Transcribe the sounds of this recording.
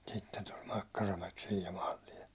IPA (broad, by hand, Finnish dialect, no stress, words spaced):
sitːen tulʲ mɑkːɑrɑmæk siːj jɑ mɑːntiɛ